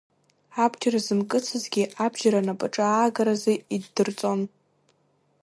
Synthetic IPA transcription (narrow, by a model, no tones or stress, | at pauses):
abt͡ʃʰʼarazɨmkʼɨt͡sʰɨzɡʲiʔabʒaɾanapʼaʈ͡ʂʼaaːɡaɾazeidːɨrt͡sʼo̞n